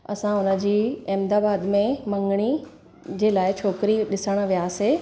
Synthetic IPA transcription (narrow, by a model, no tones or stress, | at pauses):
ɐ̰sãʊnə̆d͡ʑiːɛːmd̪aːbaːd̪mẽmɐ̃ŋɡɽ̃i | d͡ʑeːlaːɪt͡ɕʰoːkɪɾiɗɪsəɽ̃ə̆ʋijaːseː